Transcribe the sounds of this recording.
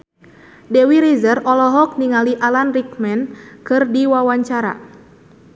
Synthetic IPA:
dɛwiɾizərɔlɔɦɔk̚niŋaliʔalanrikmɛnkɨrdiwawaɲt͡ʃaɾa̰

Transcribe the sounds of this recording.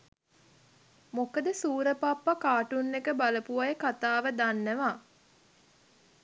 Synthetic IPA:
mokəd̪əsuːɾəpapːakaːʈunːekəbaləpuʋajəkat̪aːʋəd̪anːəʋa

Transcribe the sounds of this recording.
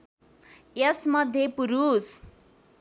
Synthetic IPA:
jesmʌd̪ʱjepuɾus

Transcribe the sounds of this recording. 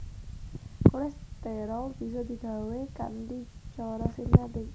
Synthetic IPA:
kolɛst̪ɛɾɔlb̥i̤s̬ɔd̪̥i̤b̥a̤weka̰ndit͡ʃɔɾɔsinad̪ɪk̚

